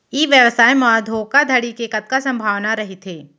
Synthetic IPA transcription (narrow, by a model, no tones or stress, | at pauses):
iːʋjəʋsaːjmaːd̪ʱoːkad̪ʱɐɽikekət̪̚kasɐ̃mbʱaːʋnaɾɐɦit̪ʰeː